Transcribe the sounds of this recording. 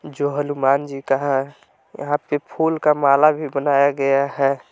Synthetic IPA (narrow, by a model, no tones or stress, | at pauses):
d͡ʒoɦəlumaːnd͡ʒikaɦɛ | jə̰ɦãpepʰulkamaːlabʱibənaːjaɡəjaɦɛ